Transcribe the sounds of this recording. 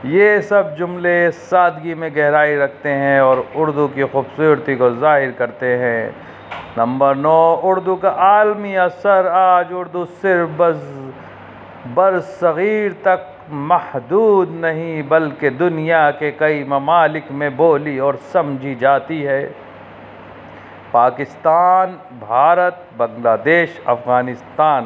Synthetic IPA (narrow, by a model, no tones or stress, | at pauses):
jeːsɐb̚d͡ʒʊmlesaːd̪ɡimẽɡɛɦɾaːiɾɐkʰt̪eɦɛ̃ɔːɾʊɾd̪ukixuːbsuːɾt̪ikozaːɦɪɾkɐɾt̪eɦɛ̃ː | nɐ̃mbəɾnɔːʊɾd̪ukaʔaːlmiɐsəɾaːd͡ʒʊɾd̪usɪɾfbɐz | bɐɾzsɐɣiːɾt̪ɐk̚ | mɐhd̪uːd̪nɐɦĩbɐlked̪ʊnijakekɐimɐmaːlɪkmẽboːliɔːɾsɐmd͡ʒʱid͡ʒaːt̪iɦɛː | paːkɪst̪aːn | bʱaːɾət̪̚bɐ̃ŋlaːd̪eːʃɐ̰fɣaːnɪst̪aːn